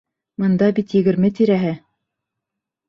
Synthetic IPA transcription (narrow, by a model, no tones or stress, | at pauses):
mɤ̆nd̪ɑbit̪jɘ̆ɡɘ̆ɾmɘt̪iɾæɦɘ